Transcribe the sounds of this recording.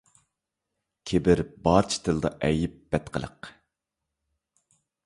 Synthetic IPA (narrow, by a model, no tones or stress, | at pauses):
kʲʰebɪɾbɑːɾt͡ʃʰi̥t̪ʰɨlˠd̪ɑʔɛjɪp̚b̥ɛt̪qʰəlˠə̰q